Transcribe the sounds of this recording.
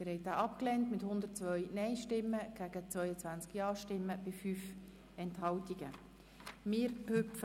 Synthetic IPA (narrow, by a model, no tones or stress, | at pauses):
mɪːɾhɛɪj̚d̥̪aːʔɑpklɛntmɪthʊnd̪ət̚t͡sʋœʏnɛɪʃtɪmːəɡ̥æːɡ̥ət͡svœʏət͡sʋænt͡skjɑːʃtɪmːəb̥ɪfyːf | ɛnthɑltiɡ̥ə | mɪːɾøpf